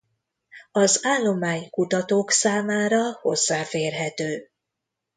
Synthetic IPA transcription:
ɒzaːlːo̞maːɲkut̪ɒt̪oːksaːmaːɾɒho̞̰zːaːfeːrɦɛt̪øː

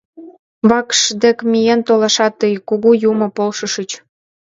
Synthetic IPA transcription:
βɑkʃd̪ĕkmijent̪olɑʃɑt̪ːəjkuɣujumɤ̆polʃəʃət͡ɕ

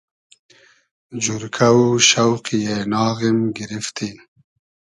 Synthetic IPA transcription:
d͡ʒuɾkʰawuʃawqjenɑːɣimɡiɾift̪ʰi

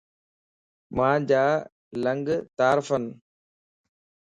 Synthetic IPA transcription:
mãːd͡ʑaː | ləŋɡt̪aːɾfən

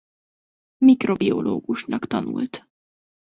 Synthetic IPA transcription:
mikrobioloːɡuʃnɒkt̪ɒnṵlt̪

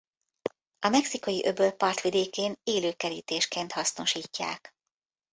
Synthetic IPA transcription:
ɒmɛksiko̞jiʔøbølpɒrt̪ʋid̪eːkeːneːløːkɛɾiːt̪eːʃkeːnt̪hɒsno̞ʃiːcːa̰ːk

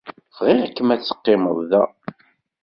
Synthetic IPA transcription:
fʁɪʁækːəmæt͡sːə̥qːɪməðˤðæ̰

